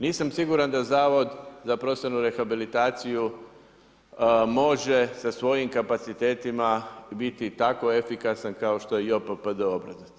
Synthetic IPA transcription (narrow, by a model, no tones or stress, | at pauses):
niːsamsiɡuɾand̪azaːʋo̞d̪zapɾost̪anuɾe̞xabilit̪aːt̪siju | mo̞ʒe̞sasʋo̞jimkapat̪sit̪e̞ːt̪imabit̪it̪ako̞e̞fikasankao̞ʃt̪o̞jejopapəd̪əobɾa̰d̪at̪